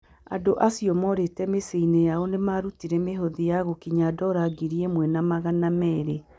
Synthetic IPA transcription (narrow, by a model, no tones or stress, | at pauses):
a̰doʔasjɔmɔɾetɛmeseinejaɔnemaɾutiɾɛmeɦoðijaɣokiɲadɔɾaɡiɾiemwɛnamaɣanamɛːɾe